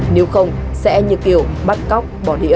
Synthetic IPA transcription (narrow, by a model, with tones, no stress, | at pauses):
ne˨˦wxə˧wŋ͡msɛ̰˧˥ɲɨ̰˧˨k̚ki˨˩əwɓa˦˥t̚kɔ˦˥wk͡p̚ɓɔ˧˩ɗḭ˧˥ə